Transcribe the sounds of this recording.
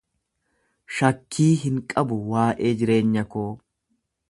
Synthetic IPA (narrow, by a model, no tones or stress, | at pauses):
ʃɐkʰːiːɦɪŋkʼɐbʊwaːʔe̞ːd͡ʒɪɾe̞ːɲːɐkoː